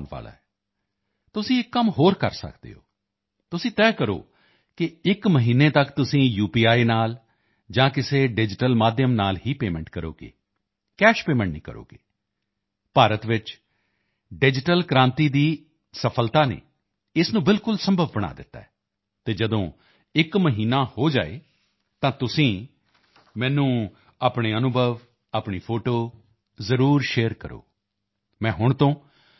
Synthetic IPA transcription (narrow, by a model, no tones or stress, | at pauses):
nʋa̰ːla̰ːɛː | t̪ʊsĩːɪkːəmɦoːɾkə̰ɾsə̰kd̪ḛːɦo̰ː | t̪ʊsĩːt̪ɛːkəɾo̰ː | kɪɪkməɦiːneːt̪əkt̪ʊsĩːjuːpiːaːiːnaːl | d͡ʒãːkɪseːɖɪd͡ʒɪʈəlmaːd̪jəmnaːlɦiːpeːmɛ̃ɳʈkəɾo̰ːɡḛː | kɛːʃpeːmɛ̃ɳʈnḭ̃ːkə̰ɾo̰ːɡḛː | paːɾət̪ʋɪt͡ʃ | ɖɪd͡ʒɪʈəlkɾãːnt̪iːd̪iː | səpʰəlt̪aːnḛː | ɪsnũːbɪlkʊlsə̃mbʱəʋːəɽ̃a̰ːd̪ɪ̰t̪ːa̰ːɛː | t̪eːd͡ʒəd̪õː | ɪkməɦiːnaːhoːd͡ʒa̰ːḛː | t̪ãːt̪ʊsĩː | mɛ̃ːnũː | aːpɳeːənʊbʱəʋ | aːpɳiːpʰoːʈoː | zəɾuːɾʃeːəɾkəɾo̰ː | mɛ̃ːɦʊɳt̪õː